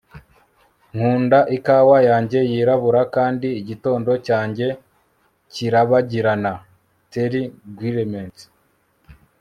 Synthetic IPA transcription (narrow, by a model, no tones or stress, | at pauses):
ŋ̥huːndaʔikaːwajaːɲɟe̞jiːɾaβuɾakaːndiːɟito̞ːndo̞caːɲɟe̞ | ciɾaβaɟiɾana | teɾiɡwiɾement